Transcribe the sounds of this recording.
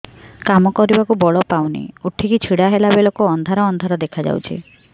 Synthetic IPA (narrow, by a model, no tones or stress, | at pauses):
kamɔkɔɾibakubɔɭɔpawnḭuʈʰikit͡ʃʰiɽaɦelabelokuɔnd̪ʱaɾɔːnd̪ʱaɾɔd̪ekʰad͡ʒa̰wt͡ʃʰḭ